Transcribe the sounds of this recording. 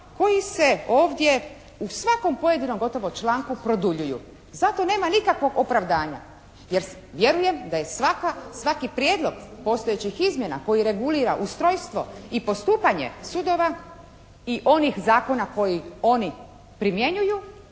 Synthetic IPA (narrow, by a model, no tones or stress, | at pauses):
ko̞jise̞o̞ːʋd̪je̞ | usʋako̞mpo̞je̞d̪inomɡo̞t̪o̞ʋot͡ʃlaːŋkupɾo̞d̪uʎujṵ | zat̪o̞ne̞ːmanikakʋo̞ɡopɾaʋd̪aːɲa̰ | je̞ɾ | ʋje̞ɾuje̞md̪ajesʋakasʋakipɾjed̪lˠo̞ɡpo̞st̪ojet͡ɕixizmje̞na̰ko̞jiɾe̞ɡuliːɾa̰ʔust̪ɾojst̪ʋo̞̰ipo̞st̪uːpaɲe̞̰sud̪o̞ʋa | iʔo̞nixzaːko̞nako̞jio̞ni | pɾimje̞ɲuju